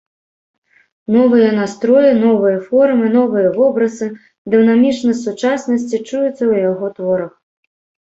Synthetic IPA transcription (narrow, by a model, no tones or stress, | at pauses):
nɔvɨjɐnast̪ɾɔjinɔvɨjɐfɔrmɨnɔvɨjɐvɔbɾɐzɨ | d̪ɨwnamʲit͡ʂnɐsut͡ʂasnɐsʲt͡sʲit͡ʂujut̪sːɐwjaɣɔt̪vɔɾɐx